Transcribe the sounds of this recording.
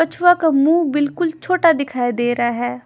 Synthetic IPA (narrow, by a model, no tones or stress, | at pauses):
ət͡ʃʰʋaːkamũːbɪlkʊlt͡ʃʰoːʈad̪ɪkʰaːid̪eːɾaːɦɛː